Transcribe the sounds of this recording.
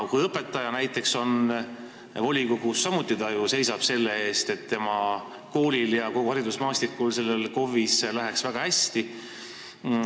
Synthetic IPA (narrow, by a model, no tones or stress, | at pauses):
kujɤpːˑe̞t̪ːˑɑjɑnæjt̪ːˑe̞kso̞n | vo̞lʲikoɡusːɑmut̪ːˑit̪ɑjuse̞jsɑb̥se̞lːeeːst̪et̪ːe̞mɑ | ko̞ːlʲiljɑkoɡuɦɑɾid̪usmɑːst̪ikːˑulse̞lːelko̞vislæɦe̞ksvæɡ̥ɑhæsʲt̪i